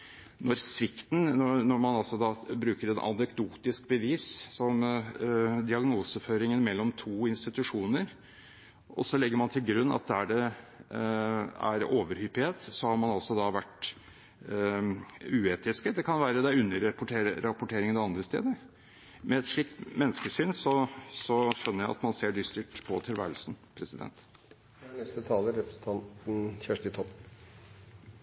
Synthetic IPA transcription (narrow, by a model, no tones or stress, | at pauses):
nɔɾsʋɪkt̪nnɔɾmɑnɑlsɔd̪ɑːbɾʉːkəɾɛnʔɑ̰nɛkd̪uːt̪ɪsk̚bəʋiːssɔm | d̪ɪɑɡnuːsəføːɾɪŋənmɛlːɔmt̪ʰuːɪnst̪ɪt̪ʉʂuːnəɾ | ʔɔ̰sːɔlɛɡːəɾmɑnt̪ʰɪlɡɾʉnːɑ̰t̪̚d̪ɛæɖɛ | æ̰ɾoːʋəɾhypheːt̪sɔhɑɾmɑnɑlsɔd̪ɑʋæʈː | ʉːeːt̪ɪskəd̪ɛkʰɑnʋæːɾəd̪æɪʉnːəɾpʊʈeːɾɾɑpʊʈʰeːɾɪŋənɑʋɑnd̪ɾəst̪ḛːd̪əɾ | mɛɛt̪ʂɭiːk̚t̪mɛnːskəʂyːnsɔsɔʂœnːəɾjæɪɑ̰t̪mɑnseːɖ̪ʏst̪ɪʈ̪pʰɔt̪ʰɪlʋæ̰ːɾəlsn̩pʰɾɛsɪd̪ɛ̰nt̪ | nɛst̪ət̪ʰɑːləɾɛpɾəsn̩t̪ʰɑnt̪n̩çæʂʈɪt̪ʰɔpː